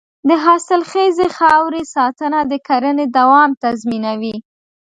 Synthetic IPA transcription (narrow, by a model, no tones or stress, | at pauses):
d̪əɦɑsɪlxezexɑwɾesɑt̪ənad̪əkaɾəned̪awɑmt̪azminawi